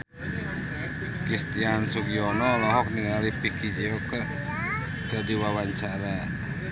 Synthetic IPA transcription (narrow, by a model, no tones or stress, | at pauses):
kɾist̪iansukijɔnɔlɔɦɔk̚niŋalipikid͡ʒiokə | d̪̥adiwawaɲt͡ʃaɾa